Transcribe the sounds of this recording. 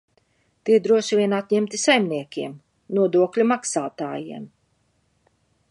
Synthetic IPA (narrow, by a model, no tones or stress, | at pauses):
t̪iɾd̪ɾuɔʃivʲiɛnat̪ʲɲɛmt̪isajmniɛkʲiɛm | nuɔd̪uɔklʲumaksaːt̪a̰ːjḭɛm